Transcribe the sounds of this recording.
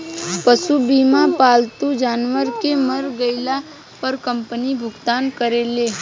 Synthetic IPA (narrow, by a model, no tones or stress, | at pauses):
pəʃubiːmapaːlt̪ud͡ʒaːnʋəɾkeməɾɡəɪla | pɐɾkə̃mpənibʱʊɡt̪aːnkəɾeːleː